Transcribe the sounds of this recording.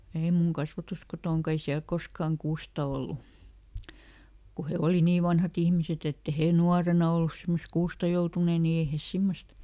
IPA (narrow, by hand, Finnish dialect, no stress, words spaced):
ei muŋ kɑsʋɑtuskotoˑŋkɑ ei siæl koskɑˑŋ kuːstɑ olːu ku he oli niː ʋɑnhɑt ihmiset etː e heˑ nuɑrenɑ olːus simːos kuːstɑ joutuneˑ ni ei hes simːost